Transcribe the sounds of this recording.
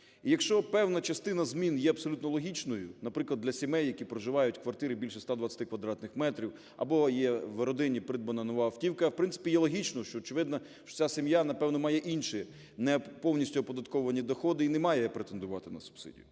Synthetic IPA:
ijɐkʃt͡ʃɔpɛwnɐt͡ʃɐst̪ɪnɐzmʲinjɛɐbsɔlʲut̪nɔlˠɔɦʲit͡ʃnɔjʊnɐpɾɪklˠɐd̪lʲɐsʲimɛjːɐkʲipɾɔʒɪʋɑjʊtʲkʋɐrt̪ɪɾɪbʲilʲʃɛst̪ad̪ʋɐt͡sʲɐ̥t̪ɪkʋɐd̪ɾɑt̪nɪxmɛt̪ɾʲiw | ɐ̰bɔjɛʋeɾɔd̪ɪnʲːipɾɪd̪bɐnɐnɔʋɑwtʲiwkɐwpɾɪnsɪ̥pʲijɛlˠɔɦʲit͡ʃnɔʃt͡ʃɔːt͡ʃɪʋɪd̪nɐ | ʃt͡ʃɔ̥t͡sʲasʲɪmjanɐpɛwnɔmɑjɛʔinʃi | nɛpɔwnʲisʲtʲʊɔpɔd̪ɐt̪kɔɔʋɐnʲid̪ɔxɔd̪ɪinɛmɑjɛpɾet̪end̪ʊʋɑt̪ɪnɐsʊ̥b̥sɪ̰dʲḭjʊ

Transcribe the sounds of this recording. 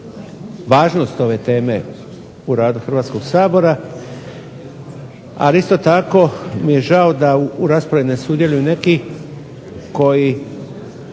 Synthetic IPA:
ʋaːʒno̞st̪o̞ʋe̞t̪e̞ːme̞ | uɾaːd̪uxɾʋaːt̪sko̞ɡsaːbo̞ɾa | a̰list̪o̞t̪ako̞mije̞ʒao̞d̪auɾaːspɾaʋine̞suːd̪je̞lujune̞ki | ko̞ji

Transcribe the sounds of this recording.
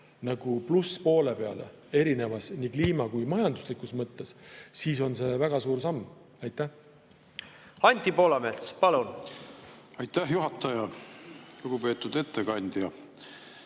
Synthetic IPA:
nɑɡ̥upluspo̞ːle̞pe̞ɑ̰le̞̰ | e̞ɾine̞vɑsnikliːmɑkujmɑjɑnd̪̥uslikˑusmɤt̪ːe̞ssiːso̞nse̞væɡ̥ɑsuːɾsɑmː | ɑjt̪ˑːæh | ɑnʲt̪ʲipo̞ːlɑme̞lspɑlun | ɑjt̪ːæhjuɦɑt̪ːˑɑjɑ | luɡ̥upe̞ːt̪ːˑud̪e̞t̪ːekɑnʲd̪̥jɑ

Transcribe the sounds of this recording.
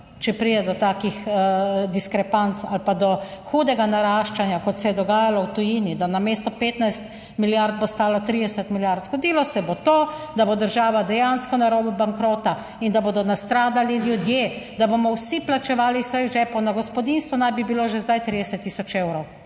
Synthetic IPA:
t͡ʃɛpɾiːd̪ɛd̪ɔt̪aːkixd̪iskɾɛpant̪sa̰lpad̪ɔxud̪ɛɡanaɾaːʃt͡ʃanjakɔt̪sɛjɛd̪ɔɡaːjalɔwt̪ujiːnid̪anameːst̪ɔpeːt̪najst̪ | miljaɾd̪̚bost̪aːlat̪ɾid̪ɛsɛt̪miljaɾt̪zɡod̪iːlɔsɛbot̪oːd̪abod̪əɾʒaːʋad̪ɛjanskɔnaɾoːbubaŋkɾoːt̪a | ind̪aboːd̪ɔnast̪ɾaːd̪aliljud̪jed̪abomɔwsiplat͡ʃɛʋaːlisəjɣʒɛpɔnaɡɔspɔd̪inst̪ʋɔnajbibiloːʒɛzd̪ajt̪ɾid̪ɛsɛt̪ːiːsɔt͡ʃewɾɔw

